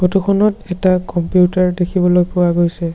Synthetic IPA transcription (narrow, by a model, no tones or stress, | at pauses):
botukʰɔnɔtɛtakɔmpijutaɹdekʰibɔlojpʊwaɡojsɛ